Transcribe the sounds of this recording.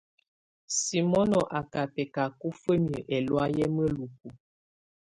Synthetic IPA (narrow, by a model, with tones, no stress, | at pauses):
si˨mɔ˦nɔ˨ʔa˨ka˨pɛ˨ka˨ku˦fə˦mjə˨ʔɛ˨lwa˦jɛ˦mə˦lu˨k̚u˨